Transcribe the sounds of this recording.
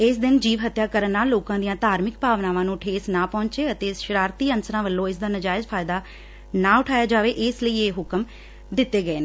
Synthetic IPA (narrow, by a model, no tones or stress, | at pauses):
ɪsd̪ɪnd͡ʒiːʋɦət̪jaːkəɾənːaːlːoːkãːd̪ɪjãːt̪aːɾmɪkbaːʋnaːʋãːnũːʈʰeːsnãːpɔ̃ːɲt͡ʃeːət̪eːʃɪɾaːɾt̪iːənsɾãːʋəlːõːɪs̬d̪aːnəd͡ʒaːɪd͡ʒpʰaːɪd̪aː | nãːʊʈʰaːjaːd͡ʒaːʋeːʔɪsləiːeːɦʊkəm | d̪ɪt̪ːeːɡəeːneː